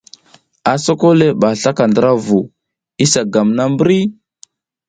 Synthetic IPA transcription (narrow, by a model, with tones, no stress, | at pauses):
a˨so˦ko˦le˦ɓa˨ɬa˦ka˨ndə˦ɾa˦vu˨ | i˦sa˨ɡa˨mna˦mbɾi˦